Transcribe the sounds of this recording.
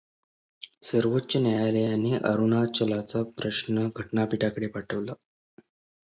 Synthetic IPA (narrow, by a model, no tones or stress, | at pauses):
səɾʋotːɕənjajalejaniʔə̰ɾunat͡ɕəlat͡sapɾəɕnəɡʱəʈɳapiʈakəɽepaʈʰəʋla